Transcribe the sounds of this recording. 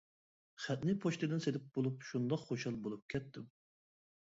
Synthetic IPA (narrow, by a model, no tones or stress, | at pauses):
χæt̪̚nɪpʰoʃt̪ɨd̪ɪnsed̪ɪp̚b̥olˠupʃund̪ɑqχoʃɑlˠbolˠup̚kʲʰɛt̪ʰːɪm